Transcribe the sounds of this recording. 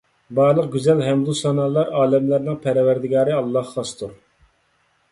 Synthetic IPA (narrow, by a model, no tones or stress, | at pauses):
bɑːʁlˠəq̚ɡʲyzɛlɦɛmbusɑnɑlˠɑɾɑːlɛmlæɾnɨŋpʰæɾwæɾd̪ɪɡɑːɾɨɑlˠːɑhqɑst̪ʰuɾ